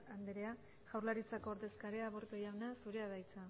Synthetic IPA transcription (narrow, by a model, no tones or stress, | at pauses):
and̪eɾea | ʝawrlaɾit͡sako̞ːɾðe̞skaɾe̞aβoɾt̪ojawnasuɾe̞aðajt͡sa